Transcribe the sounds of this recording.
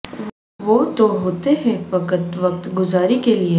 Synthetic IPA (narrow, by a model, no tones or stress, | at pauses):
ʋoːt̪oɦoːt̪eɦɛ̃ʋɐkət̪ʋɐk̚t̪ɡʊzaːɾikelie